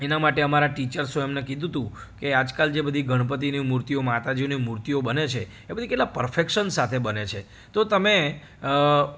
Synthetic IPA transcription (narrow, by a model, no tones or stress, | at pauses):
enamaʈeəmaɾaʈit͡ʃəɾsõemnekid̪ʱũt̪ũ | kead͡ʒkald͡ʒebəd̪ʱiɡʱəɽ̃p̬ət̪̬inimuɾt̪iomat̪ad͡ʒinimuɾt̪iobənet͡ʃʰe | ebəd̪ʱikeʈlapəɾfekʃənsat̪ʰebənet͡ʃʰe | t̪ot̪əme